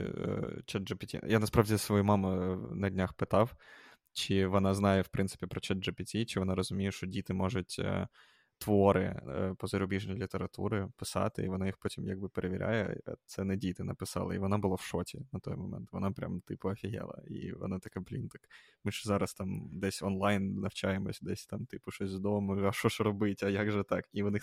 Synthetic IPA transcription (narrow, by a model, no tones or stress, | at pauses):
t͡ʃɛd̪ʒɐpʲɪtʲḭjanɐspɾaʋdʲisʋɔjumɑmʊnɐdʲnʲaxpɪt̪ɑw | t͡ʃɪʋɔnɑznɑjɛwpɾʔɪnsɪ̥pʲipɾɔt͡ʃɛd̪ʒɐpʲɪtʲit͡ʃɪʋɔnɑɾɔzʊmʲijɛʃt͡ʃɔdʲit̪ɪmɔʐʊtʲ | t̪ʋɔɾɪ̰pɔzɐɾʊbʲiʐnɔjlʲit̪eɾɐt̪ṵɾɪpɪsɑ̰t̪ɪ̰ḭʋɔnajixpɔtʲimjaɡ̚bɪpeɾʔeʋʲiɾʲʔa̰jɛ̰ɐ̰t̪sɛnɛdʲit̪ɪnɐpɪsɑ̰lˠɐ̰iʋɔnabʊlˠawʃɔtʲinɐt̪ɔjmɔmɛ̰nt̪ʋɔnapɾʲʔa̰mt̪ɪpʊɐfʲiɦɛ̰lˠɐ̰ḭʋɔ̰nat̪ɐkɛblʲḭnt̪ɐk | mɨʃɛzɑɾɐst̪ɑmd̪ɛsʲɔnlˠajnnɐwt͡ʃajemɔsʲd̪ɛsʲt̪ɑmt̪ɨpʊʃɔsʲzd̪ɔmʊjɐʃɔʃrɔbɪtʲɐjaɡʒɛt̪ɑkiʋɔnɪ